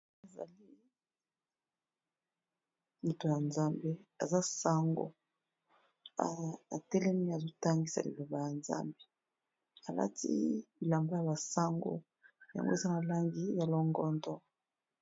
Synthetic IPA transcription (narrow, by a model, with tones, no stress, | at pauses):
a˨za̰˨li˦ | li˨to˨ja˨nza˦mbe˦a̰˨za˦sa˦ŋɡo̰˨ | a˨a̰˨tɛ˦lɛ˦mi˦a˨zo˦ta˦ŋɡi˦sa̰˨lḭ˨lo˨ba˨ja˨nza̰˦mbe˦ | a˨la̰˦tḭ˦i˨la˨mba˦ja˨ba˨sa˦ŋɡo̰˦˨ | ja̰˨ŋɡo˦e˨za˦na˨la˦ŋɡi˦ja˨lɔ˦ŋɡɔ˦ndɔ˦